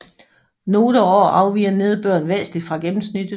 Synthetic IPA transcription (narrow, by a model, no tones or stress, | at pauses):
no̝ːɾəɒɒ̰ːʔɑ̈ʊʋḭːɐne̝ð̞ˠb̥ɶɐ̰nʋeːsli̥fʁɑ̈ɡ̥emm̩snid̥̩